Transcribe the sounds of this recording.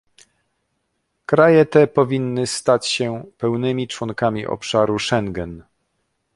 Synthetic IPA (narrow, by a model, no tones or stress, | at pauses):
kɾajɛt̪ɛpɔvʲinːɘst̪at͡ɕɕɛpɛwnɘmʲit͡ʂwɔŋkamʲḭʔɔ̰pʂaɾuʂɛŋɡɛn